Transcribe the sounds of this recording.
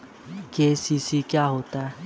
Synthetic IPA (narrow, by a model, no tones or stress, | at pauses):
keːsiːsikjaːɦoːt̪aɦɛ